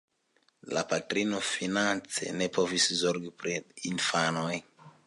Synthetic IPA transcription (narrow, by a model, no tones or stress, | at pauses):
la̰patɾinofinant͡sḛnepʰovisizoɾɡipɾiinfanoj